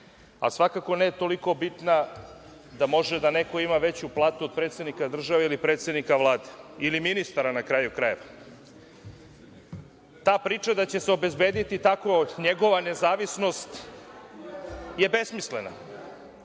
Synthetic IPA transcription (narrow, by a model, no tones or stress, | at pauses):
a̰sʋakako̞nejt̪o̞liko̞bit̪na | d̪amo̞ʒed̪ane̞ko̞imaʋe̞t͡ɕuplˠaːt̪uod̪̚pɾe̞ːt̪se̞d̪nikad̪r̩ʒaʋeilipɾet̪sed̪nikaʋlˠaːd̪e̥iliminist̪aɾanakɾajukɾajeʋa | t̪aːpɾiːt͡ʃad̪at͡ɕeseobe̞zbe̞ːd̪it̪it̪akoɲeɡo̞ʋane̞zaːʋisno̞st̪ | je̞be̞smislena̰